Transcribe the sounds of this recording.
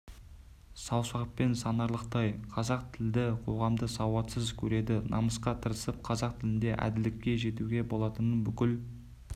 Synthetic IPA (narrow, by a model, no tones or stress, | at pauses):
sɑwsɑʁəppe̞nsɑnɑɾlˠəqt̪ɑjqʰɑzɑq̚t̪ʰɪld̪ɪqʰo̞̰ʁɑmd̪əsɑwɑt̪səzkʲʰɵɾe̞d̪ɪnʔɑməsqɑt̪ʰəɾəsəp̚qʰɑzɑqt̪ʰɪlɪnd̪e̞ʔæ̰d̪ɪlɪkʲːe̞ʒe̞t̪uɡʲe̞bo̞lˠɑt̪ənənbʏkʲɪl